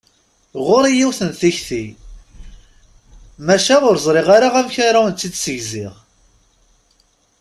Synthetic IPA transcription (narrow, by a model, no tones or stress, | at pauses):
ʁʊɾijiwθənθiçθi | mæʃæʁʊɾzˤɾˤɪʁaɾaʁæmçaɾawənt͡s̪ːid̪səʝzɪʁ